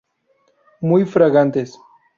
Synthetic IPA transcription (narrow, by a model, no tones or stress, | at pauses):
mujfɾaɣant̪es